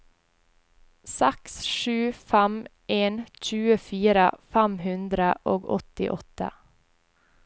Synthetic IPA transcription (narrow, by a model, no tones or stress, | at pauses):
sɛksʃʉːfæm | eːnc͡çʉːəfiːɾə̰fæmhʉnd̪ɾəʔoːɡɔ̰t̪ɪ̰ʔɔt̪ə̰